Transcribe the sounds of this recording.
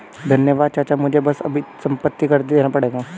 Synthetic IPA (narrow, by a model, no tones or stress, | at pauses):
d̪ʱɐnjəʋaːd̪̚t͡ʃaɾt͡ʃamʊd͡ʒʱebɐsɐ̰bʱisɐ̃mpət̪ːikɐɾt̪ed̪eːnapɐɽeːɡaː